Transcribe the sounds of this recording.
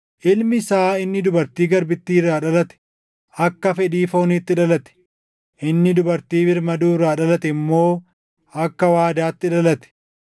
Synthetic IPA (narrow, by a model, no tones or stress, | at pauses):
ʔɪlmɪsaːɪnːɪd̪ʊbɐɾt̪iːɡɐɾbɪt̪ːiːrːaːᶑɐlɐt̪ɛ̥ | ʔɐkːɐfɛᶑiːfoːniːt̪ːɪᶑɐlɐt̪ɛ̥ | ʔɪnːɪd̪ʊbɐɾt̪iːbɪɾmɐd̪uːrːaːᶑɐlɐt̪ɛɪmːo̞ː | ʔɐkːɐwaːd̪aːt̪ːɪᶑɐlɐt̪ɛ̥